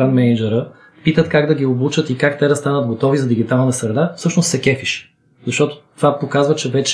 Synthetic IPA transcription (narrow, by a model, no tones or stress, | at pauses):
anmɛnid͡ʒɛɾə | pit̪ət̪kaɡd̪ɐɡ̟ioblˠut͡ʃət̪ikakt̪ɛɾəst̪anəd̪̚ɡot̪ɔvizɐd̪iɡ̟it̪alˠnəsɾɛd̪afsɤʃnost̪sɛkɛfiʃ | zɐʃt̪ɔt̪ʊ̥t̪ovapokazvət͡ʃɛvɛt͡ʃ